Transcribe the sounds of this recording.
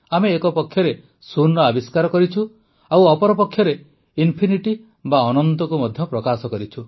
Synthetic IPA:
ameːkɔpɔkʰːjɔɾe | suɾnɔabiskaɾɔkɔɾit͡ʃʰu | awɔpɔɾɔpɔkʰjɔɾe | inpʰiniʈi | baɔnɔnt̪ɔkumɔd̪ʱjɔpɾɔkasɔkɔɾit͡ʃʰu

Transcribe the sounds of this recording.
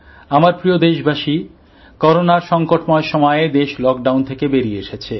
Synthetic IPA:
amaɾpɾiod̪eʃbʱaʃi | kɔɾonaɾʃɔŋkoʈmɔeɾʃɔmɔed̪eʃlɔk̚ɖawnt̪ʰekebeɾieʃet͡ɕʰe

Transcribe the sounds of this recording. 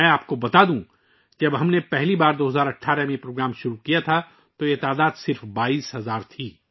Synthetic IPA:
ɛ̃aːp̚kobɐt̪ad̪ũː | d͡ʒɐbɦɐmnepɛɦlibaːɾd̪oːɦɐzaːɾɐʈʰːaːɾɛmẽpɾoːɡɾaːmʃʊɾukijat̪ʰa | t̪ojet̪aːd̪aːd̪sɪɾfbaːiːsɦɐzaːɾt̪ʰiː

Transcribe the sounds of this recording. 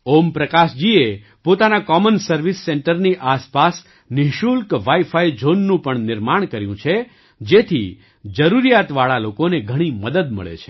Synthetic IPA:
ompɾəkaʃd͡ʒie | pot̪anakɔmənsəɾʋisːeɳʈəɾniʔaspas | nɪɦʃulkʋaifaid͡ʒonːũpəɳnɪɾmaɳ̃kəɾjũt͡ʃʰe | d͡ʒet̪ʰḭ | d͡ʒəɾuɾijat̪ʋaɭalokoneɡʱəɽ̃iməd̪əd̪mə̰ɭḛt͡ʃʰe̥

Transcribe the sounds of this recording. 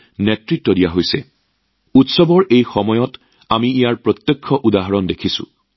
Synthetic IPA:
netɹitːɔdijaɦojsɛ | utsɔbɔɹʔejxɔmɔjɔt | amiːjaɹpɹɔt̪jɔkʰːɔʔudaɦaɹɔndekʰisṵ̃

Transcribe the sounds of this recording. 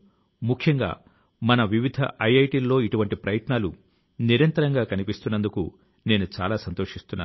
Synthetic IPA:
mukʰjɐŋɡa̰ː | mɐnɐʋiʋid̪ʱɐ̰ʔɐjɐjʈiːlːo̞ːiʈuʋɐɳʈipɾɐjɐt̪naːlu | niɾɐnt̪ɐɾɐŋɡaːkɐnipist̪unːɐnd̪ukṵ | ne̞ːnut͡ʃa̰ːlaːsɐnt̪o̞ːʂist̪unːa̰ː

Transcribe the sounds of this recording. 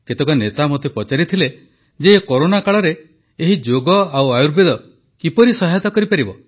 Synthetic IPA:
ket̪ekɔnet̪amɔt̪ʰepɔt͡ʃaɾit̪ʰile | d͡ʒeːkoɾonakaɭɔɾeː | ɦid͡ʒoɡɔawajuɾbed̪ɔ | kipɔɾisɔɦajt̪ɔkɔɾipaɾibɔ

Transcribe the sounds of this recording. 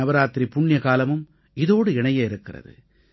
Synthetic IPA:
ɐbɐɾaːt̪ɾipʊɳːjɐkaːlɐmɯm | ɪðoːɽɯɪɳɐjɐɪɾɯkːɪrɐ̰ðɯ̰

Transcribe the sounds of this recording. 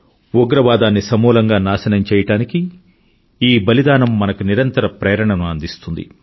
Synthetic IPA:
uɡɾɐʋaːd̪aːnːisɐmuːlɐŋɡaːnaːsɐnɐmt͡ʃɛːjɐʈaːniki | iːbɐlid̪aːnɐmːɐnɐkuniɾɐnt̪ɐɾɐpɾɛːɾɐɳɐnuɐnd̪ist̪und̪ḭ

